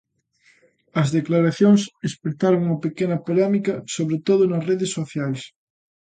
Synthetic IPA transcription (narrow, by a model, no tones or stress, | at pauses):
ɐzðeklaɾaθjoŋsespɾet̪aɾoŋɐpekenɐpolɛmikɐsoβɾet̪oðʊnɐsreðesːoθjajs